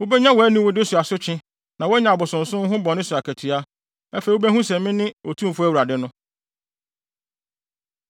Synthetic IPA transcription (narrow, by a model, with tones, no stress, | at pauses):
wo˦bɛ˦ɲã˦wɔ˨˦æ˦nĩ˦wʊ˦dɪ˦sʊ˨a˨sʊ˦t͡ɕʰɪ̃˦ | nã˨wɔ˦ɲã˨bʊ˨sʊ̃˨n̩˨sʊ̃˦ŋ̩˦ɦʊ̃˦bɔ˨nɪ̃˦sʊ˨a˨kʰæ˨tʰi˨a˦ | ɛ˦fe˨wo˦bɛ˦hũ˦sɛ̃˨mmɪ̃˦nɪ̃˦wo˨tʰũ˦m˨fʊ˦æ˦wu˨ɾa˨dɪ˦nʊ̃˦